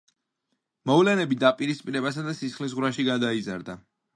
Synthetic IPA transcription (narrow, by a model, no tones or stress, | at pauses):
mɔvlɛnɛbid̪apʼiɾispʼiɾɛbas̬ad̪asisχlis̬ʁwɾaʃiɡad̪aizaɾd̪a